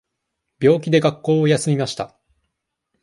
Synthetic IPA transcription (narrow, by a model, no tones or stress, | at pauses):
bʲo̞ːkʲid̪e̞ɡakːo̞ːojasɨmʲimaɕi̥t̪a